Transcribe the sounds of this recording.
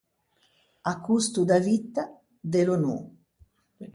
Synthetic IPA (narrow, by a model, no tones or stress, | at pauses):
akːust̪ud̪avit̪ːa | d̪elonṵ